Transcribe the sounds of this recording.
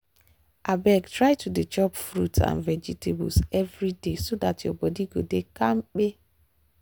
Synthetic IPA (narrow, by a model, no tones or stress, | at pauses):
ʔabɛɡtɾaɪtudet͡ʃɔpfɾṵtã̰nvɛd͡ʒitʰebʊ̰sɛvɾidesodatjo̰bɔdiɡodekaŋ͡m̩k͡pe